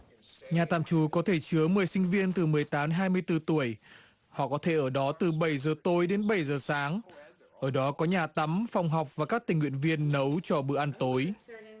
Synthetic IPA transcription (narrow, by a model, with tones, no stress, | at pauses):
ɲaː˨˩t̪a̰ː˧˨mt͡ɕu˨˦kɔ˨˦t̪ʰe˧˩t͡ɕɨ˨˦əmɨ˨˩əjsï˧ŋ̟vi˧ənt̪ɨ˨˩mɨ˨˩əjt̪aː˨˦mɦaː˧jmɨ˧əjt̪ɨ˧t̪u˧˩əj | hɔ̰˧˨kɔ˨˦t̪ʰe˧˩ʔəː˧˩ɗɔ˨˦t̪ɨ˨˩ɓə˧˩jzəː˨˩t̪o˨˦jɗe˨˦nɓə˧˩jzəː˨˩saː˨˦ŋ | ʔəː˧˩ɗɔ˨˦kɔ˨˦ɲaː˨˩t̪ə˨˦mfa˧wŋ͡mɦa˨˩wk͡p̚vaː˨˩kaː˦˥k̚t̪ï˨˩ŋwi˧˨ənvi˧ənːə˨˦wt͡ɕɔ˧ɓɨ̰˧˨əʔa˧nt̪o˨˦j